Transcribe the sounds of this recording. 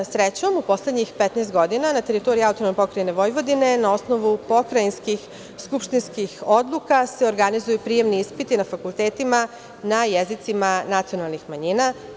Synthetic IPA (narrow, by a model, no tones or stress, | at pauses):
sɾet͡ɕo̞mupo̞sle̞d̪ɲixpet̪nɛst̪ɡo̞d̪inanat̪e̞ɾit̪o̞ɾiaut̪onomepo̞kɾajne̞ʋo̞jʋo̞d̪ine̞nao̞sno̞ʋupo̞kɾainskix | skupʃt̪inskixo̞d̪lˠukase̞o̞ɾɡanizujupɾije̞mniispit̪inafakulˠt̪e̞ːt̪ima | najezit̪simanat̪sio̞nalˠnixmaɲiːna